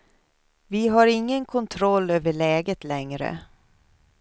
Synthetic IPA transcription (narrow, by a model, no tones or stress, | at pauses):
vɪɦaɾɪŋːənkʰɔnt̪ʰɾɔlːøːvəɭɛːɡət̪lɛŋɾə̰